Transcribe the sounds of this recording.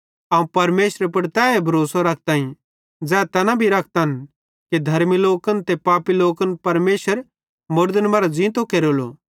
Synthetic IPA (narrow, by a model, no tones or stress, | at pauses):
ɐːũpɐɾmeːʃɾepɐɽt̪ɛːebʱɐɾoːsaɾɐkʰt̪ãːĩ | d͡zɛːt̪ɐnabʱiɾɐkʰt̪ɐn | ked̪ʱɐɾmiloːkənt̪epaːpiloːkənpɐɾmeːʃəɾ | mʊɾd̪ənmaːɾad͡zĩːt̪okeɾolo̰